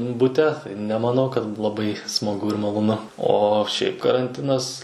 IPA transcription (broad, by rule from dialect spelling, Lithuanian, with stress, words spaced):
bʊˈtʲɛ nʲɛmɐˈnɐʊ kɐt lˠɐˈbɐɪ smɐˈɡʊ ɪr mɐlˠoːˈnʊ ˈoː ʃʲɛɪp kɐrɐnʲˈtʲɪnɐs